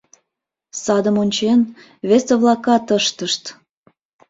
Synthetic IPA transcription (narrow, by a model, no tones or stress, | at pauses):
sɑd̪əmonʲt͡ɕen | βeseβlɑkɑt̪əʃt̪əʃt̪